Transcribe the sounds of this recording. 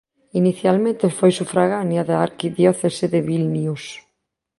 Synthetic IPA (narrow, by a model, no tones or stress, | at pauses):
iniθjalmẽnt̪efojsufɾaɣanjaðaaɾkiðjɔθeseðeβilnius